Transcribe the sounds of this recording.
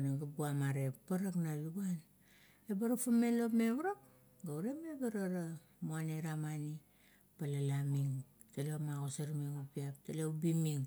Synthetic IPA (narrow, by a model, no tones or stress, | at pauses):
naɡabuamaɾe̞ppːaɾaknaβiɡuan | ebaɾafame̞lopme̞βɾok | ɡawɾemebaɾaɾa | muaneɾamani | palalamiŋ | talemaɡosaɾmiŋupiap̚taleubimiŋ